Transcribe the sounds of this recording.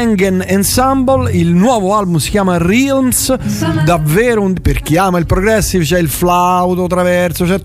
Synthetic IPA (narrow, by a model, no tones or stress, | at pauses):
ɛŋɡɛnɛnsambolilnwɔːvoalbumsi̥kjaːmarilmsd̪avːɛːɾoperk̟iaːmailpɾoɡɾɛsːivt͡ʃɛilflawt̪ot̪ɾavɛrt̪sot͡ʃɛ